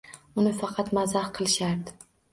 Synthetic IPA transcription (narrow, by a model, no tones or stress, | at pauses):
ʊnɪfɑqʰɑt̪mazahqʰɨlˠɪʃaɾd̪ɪ